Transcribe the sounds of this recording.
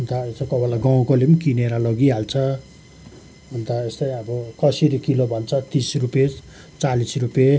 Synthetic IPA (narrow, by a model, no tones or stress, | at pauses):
unt̪aest̪ʌkʌbʌlaɡaw̃kolepnkineɾalʌɡiɦalt͡sʰʌ | ɦunt̪aest̪ʌjʌbʌkʌsiɾikilobʱʌnt͡sʰʌt̪isrupe | t͡salisrupje